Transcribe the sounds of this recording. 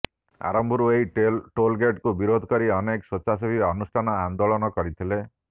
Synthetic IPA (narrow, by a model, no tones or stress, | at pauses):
a̰ɾɔmbʱɔɾuejʈolɡeʈkubiɾod̪ʱɔkɔɾiɔneksot͡ʃasɔbʱiɔnusʈʰanɔand̪olɔnɔkɔɾit̪ʰile